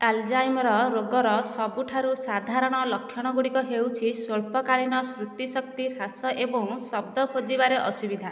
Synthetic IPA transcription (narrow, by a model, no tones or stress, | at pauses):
ald͡ʒajmɾɔɾoɡɔɾɔsɔbuʈʰaɾusad̪ʱaɾɔɽ̃ɔlɔkʰːjɔɽ̃ɔɡuɽikɔɦewt͡ʃʰisoɭpɔkaɭinɔsɾut̪isɔk̚t̪iɾasɔʔebɔ̃ŋsɔb̚d̪ɔkʰod͡ʒibaɾeʔɔsubid̪ʱa